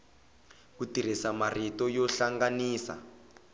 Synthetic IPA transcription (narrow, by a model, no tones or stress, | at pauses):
kutir̤isamaritɔjɔɬaŋɡaniːsa̰